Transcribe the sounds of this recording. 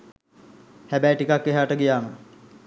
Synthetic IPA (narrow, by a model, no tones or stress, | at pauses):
hæbæjʈikakːeɦaːʈəɡijaːmə